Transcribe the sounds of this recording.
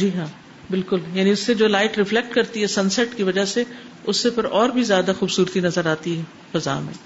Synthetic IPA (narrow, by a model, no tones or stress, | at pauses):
d͡ʒiːɦãː | bɪlkʊljaːnĩʊsːed͡ʒoːlaːɪʈɾɪflɛk̚ʈkɐɾt̪iɦɛsɐ̃nsɛʈkiʋɐd͡ʒase | ʊsːepɐɾɔːɾbʱizjaːd̪axuːbsuːɾt̪inɐzəɾaːt̪iɦɛ | fɐza̰ːmḛ̃ː